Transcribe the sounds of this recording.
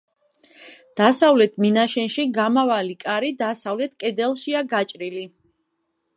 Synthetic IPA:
d̪̥asavlɛt̪ʰminaʃɛnʃiɡamavalikʼaɾid̪asavlɛt̪ʰkʼɛd̪ɛlˠʃiaɡat͡ʃʼɾili

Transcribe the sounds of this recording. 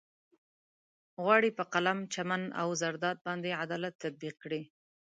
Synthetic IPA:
ɣwɑɽipəqalamt͡ʃamana̰wzaɾd̪ɑt̪̚bɑnd̪eʕad̪ɑlat̪ːad̪̚biq̚kɽi

